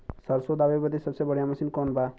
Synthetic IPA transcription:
sʌɾsod̪ababʌd̪esʌbsebʌɽjamʌsinkɔnba

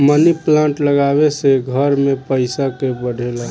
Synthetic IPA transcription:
məniplãɳʈləɡabeseɡʱəɾmepəɪsakebəɽ̤ʱela

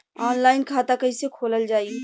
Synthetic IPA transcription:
ɔːnlaːɪnkʰaːt̪akɐisekʰoːləld͡ʒaːi

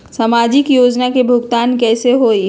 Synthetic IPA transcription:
samaːd͡ʒɪkjoːd͡ʒnakebʱʊɡt̪aːnkɛːseɦoːi

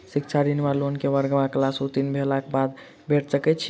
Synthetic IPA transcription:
sikt͡ʃʰaɾiniʋalonkeʋəɾɡəmaklasut̪inbʱelakebad̪ | bʱeʈsəkɛt͡ʃʰ

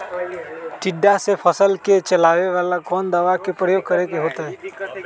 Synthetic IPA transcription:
ʈɪɖːasepʰəsəlket͡ʃəlaːʋeʋaːlakɔːnd̪aʋakepɾəjoːɡ̚kəɾekeɦoːt̪aɦɛ̃

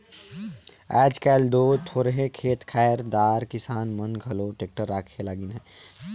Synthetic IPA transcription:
ɛːd͡ʒkɛːld̪oːt̪ʰoːɾəɦekʰeːt̪kʰɛːəɾd̪aːɾkɪsaːnmənɡʱɐloːʈeːk̚ʈəɾːaːkʰelaːɡɪnɦɛː

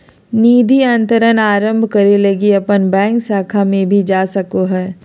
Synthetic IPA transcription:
niːd̪ʱiãnt̪əɾənaːɾə̃mbʱkɐɾelɐɡiɐpənbɛ̃ːŋksaːkʰamẽbʱid͡ʒaːsɐkoɦɛː

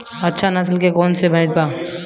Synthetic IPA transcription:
ɐtːʃʰanɐslkekɔːnsebʱɛ̃ːsba

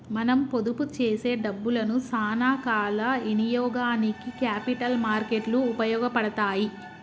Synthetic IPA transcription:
mɐnɐmpo̞d̪uput͡ʃeːse̞ːɖɐbːulɐnusaːnaːkaːlɐinijɔːɡaːnikikaːpiʈɐlmaːɾke̞ʈluːpɐjɔːɡɐpɐɽɐt̪aːji

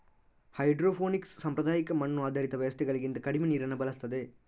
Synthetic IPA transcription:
hɐɪɖɾoːfoːnɪkssɐmpɾɐðaːjɪkːɐmɐɳːũaːd̪ɐɾɪt̪ːɐʋɐjɐst̪ɛɣɐɭɯkːɪnd̪ɐkɐɽɪmeniːɾɐnːɐbɐlɐst̪ːɐðɯ

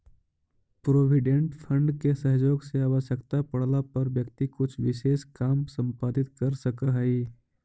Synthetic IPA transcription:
pɾoːʋɪɖẽɳʈpʰə̃ɳɖkesəɦd͡ʒoːɡseaːʋəʃjəkt̪apɐɽlapɐɾʋjəkt̪ikʊt͡ʃʰʋɪʃeːʃkaːmsə̃mpaːd̪ɪt̪kɐɾsəkaɦəi

